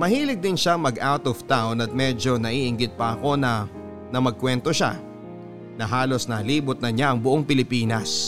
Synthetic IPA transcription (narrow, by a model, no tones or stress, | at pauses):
mɐhiːlɪɡ̚d̪ɪnʃaŋmɐɡawt̪ovt̪awnɐt̪̚mɛd͡ʒo̞nɐʔiːʔɪŋɡɪd̪̚pɐʔɐko̞nɐ | nɐmɐɡ̚kwɛnt̪o̞ʃa̰ | nɐɦaːlo̞snɐːliːbʊt̪̚nɐɲaɐŋbʊʔoŋpɪlɪpiːnɐs